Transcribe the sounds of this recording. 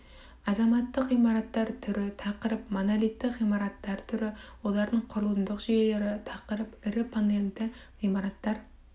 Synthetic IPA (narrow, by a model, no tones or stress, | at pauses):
ɑzɑmɑt̪ːəqimɑɾɑt̪ːɑɾt̪ʰʏɾɪt̪ʰɑqəɾɪpmonɑlˠit̪ʰːɪqimɑɾɑt̪lɑɾt̪ʰʏɾɪwolˠɑɾnɨŋqʰʊɾʊlˠɨnd̪ʊqʒijeleɾɪt̪ʰɑqəɾɪpɪɾɪpʰond̪ent̪ɪʁimɑɾɑt̪lɑɾ